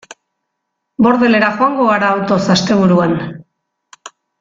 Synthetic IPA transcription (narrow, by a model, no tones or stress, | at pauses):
bo̞ɾðe̞le̞ɾaxo̞aŋɡo̞ɣaɾaːwt̪o̞sast̪e̞β̞uɾuan